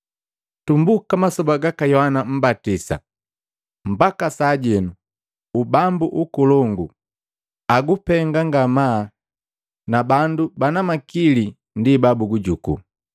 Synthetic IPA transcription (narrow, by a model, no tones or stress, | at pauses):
tumbukamasɔbaɡakajɔhanam̩batisa̰ | m̩bakasaɟɛnu | ubambuʔukulɔŋɡu | aɡupɛŋɡaŋɡama | nabandubanamakili | ndibabuɡuɟukṵ